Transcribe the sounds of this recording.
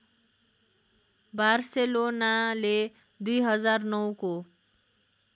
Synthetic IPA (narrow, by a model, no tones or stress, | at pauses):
barselonale | d̪ujɦʌd͡zarnʌwko